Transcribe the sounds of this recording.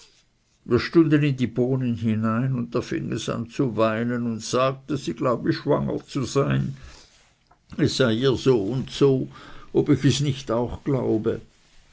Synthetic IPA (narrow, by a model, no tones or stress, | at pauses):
viːɐʃtʊndənɪndiːboːnənhinaɪnʊnt̚d̥afɪ̰ŋɛ̰sa̰nt͡suvaɪnənʊntsaːk̚təz̥iːɡ̥laʊbəʃv̥aŋə̰t͡suzaɪn | ɛsz̥aɪiːɐzoːʊntsoːʔobɪçɛsnɪçtaʊxɡ̥laʊbə